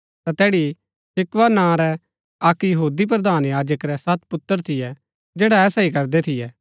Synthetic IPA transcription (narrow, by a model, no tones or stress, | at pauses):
t̪at̪ɛːɽi | sɪkʋanãɾɛ | ɐkjɐɦuːd̪ip̬ɾɐd̪aːnjaːd͡ʒəkɾɛsɐt̪̚pʊt̪ːəɾt̪ʰɪjɛ | d͡ʒeːɽaɛːsaikɐɾd̪ɛt̪ʰɪjɛː